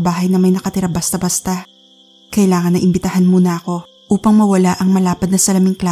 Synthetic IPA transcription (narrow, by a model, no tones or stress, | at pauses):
baːɦɐjnɐmɐjnɐkɐt̪ɪɾabɐst̪abɐst̪a | kɐʔɪlaːŋɐnːɐʔɪmbɪt̪ɐhanmuːnɐɐko̞ | ʔuːpɐŋmɐwɐlaʔɐŋmɐlaːpɐd̪̚nɐsɐlɐmɪŋkla